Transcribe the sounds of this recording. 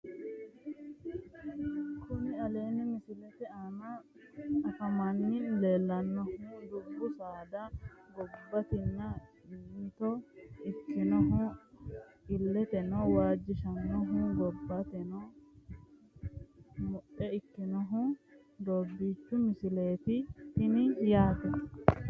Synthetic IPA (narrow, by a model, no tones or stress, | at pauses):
kʊnɪɐle̞ːnɪmɪsɪlɛt̪ɛaːnɐ | ɐfɐmɐnːɪle̞ːlːɐnːɔhuːd̪ʊbːʊsaːd̪ɐɡɔbːɐt̪ɪnːɐ | t̪ɔɪkːɪnɔɦʊ | ɪlːɛt̪ɛnɔwaːd͡ʒːɪʃɐnːɔɦʊɡɔbːɐt̪ɛnɔ | mʊʔɛɪkːɪnɔɦʊ | d̪oːbːiːt͡ʃːʊmɪsɪle̞ːt̪ɪt̪ɪnɪjaːt̪ɛ